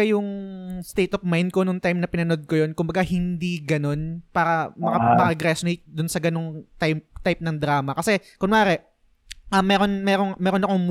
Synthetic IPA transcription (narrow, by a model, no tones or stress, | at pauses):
ɐjʊŋst̪ejt̪ofmajnd̪̚konʊŋt̪ajmnɐpɪnɐno̞d̪̚kojo̞nkʊmbɐɡahɪnd̪iɡɐno̞npaːɾɐmɐkɐmɐkɐɡɾɛsʊnejt̪̚d̪ʊnsɐɡɐnoŋt̪at̪ajp̚nɐŋd̪ɾaːmɐkɐsɛkʊnaːɾɛʔ | ʔɐmːɛːɾo̞nmɛːɾoŋmɛːɾo̞nɐkoŋm